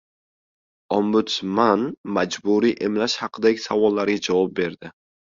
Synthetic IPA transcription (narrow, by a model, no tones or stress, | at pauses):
ɒmbʊt̪smanmad͡ʒbʊɾiʔemlaʃhɑqʰɨd̪aɡʲɪsavɒlːaɾɡʲad͡ʒavɒp̚be̞ɾd̪ɪ